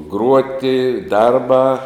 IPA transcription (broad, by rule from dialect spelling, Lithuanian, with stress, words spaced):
ˈɡruɔtʲɪ ˈdɐrbɑː